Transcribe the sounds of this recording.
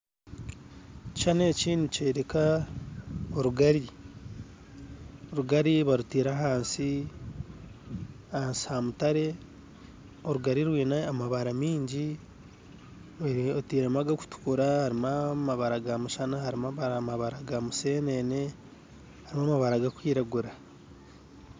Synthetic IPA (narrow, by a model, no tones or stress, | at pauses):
t͡ʃaneciniceɾeka | oɾuɡaɾi | oɾuɡaɾiβaɾutiɾaɦaːnsi | haːnsi̥hamutaɾe̞ | o̞ɾuɡaɾiɾwiːnaːmaβaɾamiːɲɟi | ɾotiːɾamaɡaku̥tu̥kuɾahaɾimamaβaɾaɡamuʃanahaɾimaβaɾamaβaɾaɡamuseːnene̞ | haɾimamaβaɾaɡakwiːɾaɡuɾa